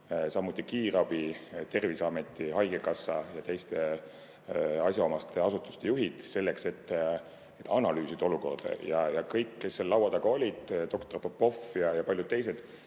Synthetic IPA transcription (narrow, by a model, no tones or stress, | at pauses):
sɑmːut̪ʲːˑikiːrɑb̥it̪e̞rvisɑme̞t̪ːˑiɦɑjɡe̞kɑsːɑjɑt̪e̞jst̪e̞ | ɑsʲjɑo̞mɑst̪ʰe̞ɑsut̪ːˑu̥st̪e̞juɦid̪̥se̞lːe̞kse̞t̪ːˑ | et̪ːɑnɑlyːsid̪̥o̞luko̞̰rd̪̥ɑ̰jɑjɑkɤjkːe̞sːelːɑwɑd̪ɑɡ̥ɑo̞lʲid̪̥t̪o̞kt̪o̞rpopːo̞fjɑjɑpɑljud̪̥̚t̪ːejse̞d̪̥